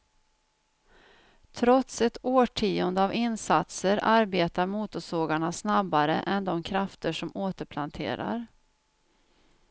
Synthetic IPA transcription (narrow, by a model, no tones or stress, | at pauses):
t̪ʰɾɔt̪sɛt̪oːʈʰiːʊnd̪əavɪnsat̪səɾaɾbeːt̪aɾmuːt̪ʊʂoːɡaɳasnabːaɾə̰ʔɛnd̪ɔmkʰɾaft̪əʂɔmoːt̪əɾpʰlant̪ʰḛːɾa̰ɾ